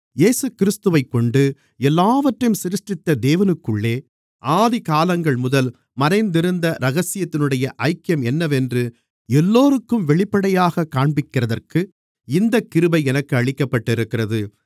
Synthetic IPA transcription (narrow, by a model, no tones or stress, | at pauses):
jeːsɯkɪɾɪst̪ɯʋɐɪkːɔɳɖɯ | ɛlːaːʋɐʈrɐjmsɪɾɯʂʈrɪt̪ːɐd̪eːʋɐnɯkːɯɭːeː | ʔaːðɪkaːlɐŋɡɐɭmʊðɐl | mɐɾɐɪnd̪ɪɾɯnd̪ɐɾɐɣɐsɪjɐt̪ːɪnɯɽɐjɐʔɐɪkːɪjɐmɛnːɐʋɛndrɯ | ɛlːoːɾɯkːɯmʋɛɭɪpːɐɽɐjaːɣɐkːaːɳbɪkːɪrɐðɐrkɯ | ɪnd̪ɐkːɪɾɯbɐɪɛnɐkːɯɐɭɪkːɐpːɐʈːɪɾɯkːɪrɐðɯ